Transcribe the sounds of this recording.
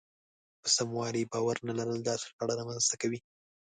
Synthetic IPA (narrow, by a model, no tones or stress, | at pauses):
pəsamwɑɾibɑwaɾnalaɾəld̪ɑsɪ̥ɾaɽaɾɑmanz̥t̪akawi